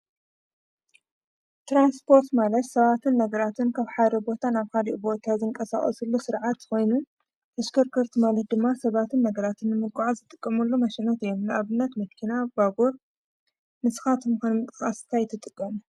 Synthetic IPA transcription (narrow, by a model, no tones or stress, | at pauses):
t̪ɾanspʰo̞ɾt̪malɐt̪sɐβat̪ʰɨnːɐɡɐɾat̪ʰɨnkʰaβħajd̪ɐbo̞t̪ʰanaβkʰaliʔbo̞t̪ʰazɨŋkʼɐsa̰xʼɐ̰sulːusɨɾʕat̪ko̞jnu | ɐʃkʰɐɾkʰɐɾt̪ʰimalɐt̪̚d̪ɨmːasɐβat̪ʰɨnːɐɡɐɾat̪ʰɨnːɨmɨɡʼaʕazɨt̪ʼɨkʼːɐmɐlːomɐʃɛnɐt̪ɨjːomnɨʔaβɨnːɐt̪mɐkʰinabaɡoɾ | mɨsxat̪ʰɨmɨkanmɨk̪ʼɨxast̪ʰajɪt̪ʰːɨt̪ʼɨkʼːɐm